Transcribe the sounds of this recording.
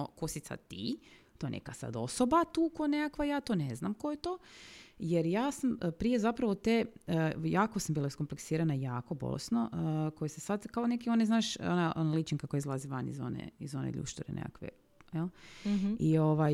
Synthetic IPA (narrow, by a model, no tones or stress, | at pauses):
okosisa̰t̪ḭ | t̪ojenʔḛkasa̰d̪o̞̰sobat̪uːkojenekakʋajaːt̪oneznamkojet̪oːjeɾjaːsampɾije̞zapɾaʋot̪ejaːkosambiːlˠaiskompleksiːɾanajaːko̞bo̰lḛsnoʔəkojesesad̪kaonekio̞neznaːʃonaʔonalit͡ʃiŋkakojaizlˠaziʋanḭzo̞̰nḛizo̞nḛʎṵʃt̪uɾḛnḛka̰kʋḛ | jel | ioʋaj